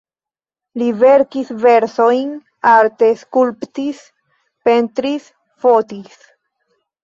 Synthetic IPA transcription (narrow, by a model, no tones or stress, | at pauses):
liveɾkisveɾsojn | aɾt̪eskulptis | pe̞nt̪ɾis | fo̞tis